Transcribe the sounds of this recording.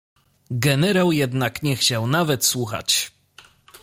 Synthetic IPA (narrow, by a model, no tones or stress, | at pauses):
ɡɛnɛɾawjɛd̪nakɲɛxt͡ɕawnavɛt̪swuxa̰t͡ɕ